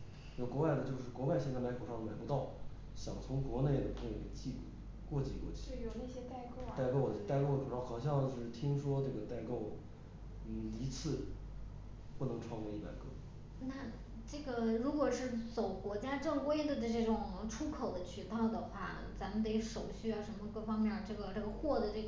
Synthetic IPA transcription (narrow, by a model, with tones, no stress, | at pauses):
kwɔ˧˥wa˥˩ɪd̪ə˩t͡ɕjo˥˧ʊʂɻ̩˥˩kwɔ˧˥wa˥˧ɪɕjɛ˥˧nt͡sa˥˩ɪm˧˥kʰo˨˩ʂɑ˥˩nə˩ma˨˩pu˧˥t̪ɑ˥˩ʊ | ɕjɑ̰˨˩ŋt͡sʰʊ˧˥ŋkwɔ˧˥ne˥˩ɪd̪ə˩pʰkt͡ɕi˥˧u˥˩ | kwɔ˥˧t͡ɕi˧˩kɔ̰˥˩t͡ɕʰi̥˥˨˩na˥˩ɕjɛ˥t̪a˥˧ɪkt̪a˥˧ɪko˥˩ʊd̪ə˩˥t̪a˥˧ɪko˥˩ʊd̪ə˩ʈ͡ʂu˨˩ɑ˥˩xɑ˨˩ʊɕ̬jɑ˥˧ŋt͡ɕjo˥˧ʊʂɻ̩˥˩t̪ʰi˥ŋʂwɔ˥ʈ͡ʂɤ˥˩ɡə˩t̪a˥˧ɪko˥˧ʊ | n̩˥˩i˧˥t͡sʰɹ̩˥˩ | pu˥˩nɤ˧˥ŋʈ͡ʂʰwɑ˥˧ŋkɛ˥˧ɪi˥˩pa̰˨˩ɪkʰɤ̰˥˩ | na˥˧ | ʈ͡ʂɤ˥˩ɡə˩ɻu˧˥kwɔ˨˩ʂɻ̩˥˩t͡so˨˩ʊkwɔ˧˥t͡ɕja˥ʈ͡ʂɤ˥˩ŋwe˥ɪd̪ə˧ʈ͡ʂə˧ʈ͡ʂɤ˥˩ʈ͡ʂʊ˨˩ŋʈ͡ʂʰu˥kʰo˨˩ʊd̪ə˦t͡ɕʰy˥˩t̪ɑ˥˩ʊd̪ə˩xwa˥˩ | t͡sa˧˥mə˨nt̪̬e˧˥ɪʂo˨˩ʊɕy˥˩a˩ʂə˧˥nmə˧kɤ˥˩fɑ˥ŋmjɛ˥˩˨ʈ͡ʂɤ˥˩ɡə˩ʈ͡ʂɤ˥˩ɡə˩xwɔ˥˩d̪ə˩ʈ͡ʂɤ˥˩ɡ